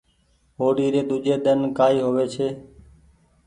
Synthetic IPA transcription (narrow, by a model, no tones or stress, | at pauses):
ɦoːɽiːɾeːd̪ʊd͡ʒeːɗ̪ənkaːiːɦoʋeːt͡ʃʰeː